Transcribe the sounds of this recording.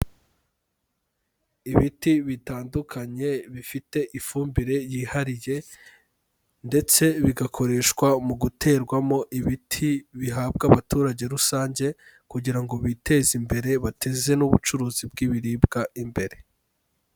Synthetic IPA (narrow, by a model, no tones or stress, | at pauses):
iβitiβitaːndukʰaɲe̞βifite̞ʔifuːmbiɾe̞jiːhaɾije̞ | nde̞t͡se̞βiɡakʰo̞ɾe̞ːʃkwamuɡutʰe̞ːɾɡwamo̞ʔiβitʰiβiɦaːb̚ɡaβatuːɾaɟe̞ɾusaːɲɟe̞ | kuɟiɾaŋɡo̞βitʰe̞zimbe̞ɾe̞βatʰe̞ze̞nuβut͡ʃuɾuːzib̚ɡiβiɾiːbɡaimbe̞ɾe̞